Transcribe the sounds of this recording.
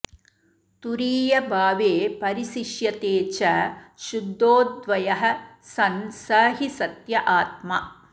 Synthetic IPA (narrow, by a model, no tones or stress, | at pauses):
t̪uɾiːjɐbʱaːʋeːpɐɾisiʃjɐt̪eːt͡ʃɐʃud̪ːoːd̪ʋɐjɐɦɐ̆sɐnsɐːɦisɐt̪jɐʔaːt̪ma